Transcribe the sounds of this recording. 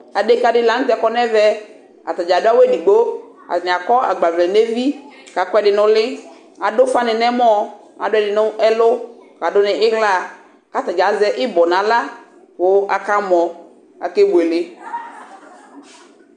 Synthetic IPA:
a˨de˦ka˨dɪ˦la˨n̩˦tɛ˨˦kɔ˦nɛ˦vɛ˦ | a̰˨ta˨d͡ʒa˨dʊ˦a˦wɛ˦di˨ɡ͡bo˦ | a̰˨nɪ˨a˨kɔ˦a˨ɡ͡ba˨vlɛ˨ne˦vi˦ka˨kwɛ˦dɪ˨nʊ̃˨lɪ˦ | a˨dʊ˦fa˦nɪ˨nɛ˦mɔ˦ | a̰˨dɛ˨dɪ˨nʊ˦ʔɛ˦lʊ˦ka˨dʊ˦nɪ˨ʔɪ˦ɦla˦˨ | ka˦ta˨d͡ʒa˨zɛ˦ʔɪ˦bɔ˨nã˨la˦ | wʊ˨˦a˨ka˦mɔ˨ | a̰˨ke˦be˨lɪ˦

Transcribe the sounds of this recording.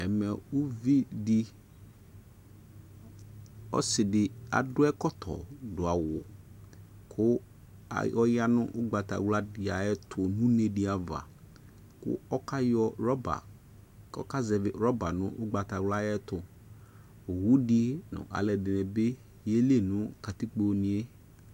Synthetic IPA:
ɛ˨mɛ˨u˦vi˦di˦ | ɔ̰˦sɪ˨dɪ˨a̰˨dʊ˦ɛ˦kɔ˦t̪ʰɔ̰˨dʊ˨a˨wʊ˨ | kʰʊ˦ | a̰˨ɔ˦ja˦nʊ̃˦ʔʊ˦ɡ͡ba˨t̪a̰˨wla˦dɪ˨a˨ɛ˦t̪ʰʊ˨nũ˦ne˨di˨a˨va̰˨ | kʊ̰˦ɔ˦ka˦jɔ˦ɾɔ˦ba̰˨ | ɔ̰˦ka˦zɛ˨vɪ˨ɾɔ˦ba˨nʊ̰̃˦ʔʊ˦ɡ͡ba˨t̪a˨wla˦ɛ˦t̪ʊ˨ | wu˦di˦nʊ̰̃˨ʔa̰˨lɛ˨dɪ˨nɛ˨be˦ | je˦le˦˨nʊ̃˦ka˨t̪i˦k͡po˨nĩ˨e˦

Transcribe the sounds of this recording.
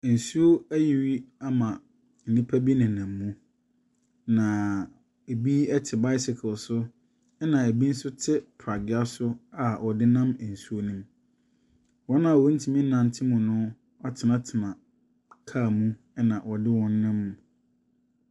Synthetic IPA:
n̩˨su˦o˦æ˦ji˨wi˦a˦mã˨ | n̩˨nĩ˦pʰa˦bi˦nɪ̃˨nã˨mːũ˦ | nã˨ | e˨bi˦ɛ˦tʰɪ˨ba˦ɪ˦sɪ˨kʰʊ˨lsʊ˦ | ɛ˦nã˨e˨bi˦n̩˦sʊ˦tʰɪ˦pʰɾa˨ɡɪ˨a˦sʊ˦a˨wʔɔ˨dɪ˦nã˦m˨n̩˨su˦o˦nũ˦m | wɔ˦nã˨wɔ˦n̩˦tʰi˨mĩ˦n˦nã˨n˨tʰɪ˦mũ˨nʊ̃˦ | a˦tʰɪ˨nã˦tʰɪ˨nã˨ | kʰaː˦˨mũ˦ | ɛ˦nã˨wɔ˨dɪ˦wɔ̃˦n˦nɪ̃˦mːũ˦

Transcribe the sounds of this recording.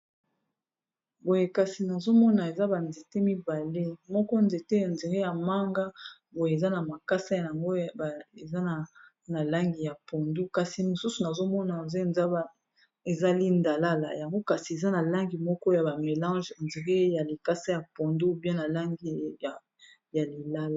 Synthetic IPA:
bo˨je˦ka˨si˨na˨zo˦mɔ˦na˨e˨za˦ba˨nze˨te˦mi˦ba˨le˦mɔ˦kɔ˦nze˨te˦a˨nzi˨ʁe˦ja˨ma˦ŋɡa˦bo˨je˨za˦na˨ma˨ka˦sa˦jja˨ŋɡo˦˨e˨za˦na˨ | na˨la˦ŋɡi˨ja˨po˨ndu˦ka˨si˨mo˨su˦su˨na˨zo˦mɔ˦na˨znza˦b | e˨za˦li˦nda˨la˦la̰˨ja˨ŋɡo˦ka˨si˨e˨za˦na˨la˦ŋɡi˨mɔ˦kɔ˦ja˨ba˨me˨lɑ̃˦ʒnzi˨ʁe˦ja˨li˨ka˦sa˦ja˨pɔ˨ndu˦bjɛ̃˦na˨la˦ŋɡi˦a˨ | ja˨li˨la˦la˨

